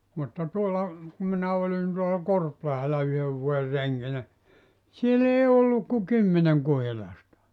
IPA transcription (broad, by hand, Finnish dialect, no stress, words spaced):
mutːɑ tuolːɑ ku minæ olin tuolɑ korplɑhelɑ yhøʋ ʋuoer reŋkinæ siel ei olːuk ku kymːeneŋ kuhilɑstɑ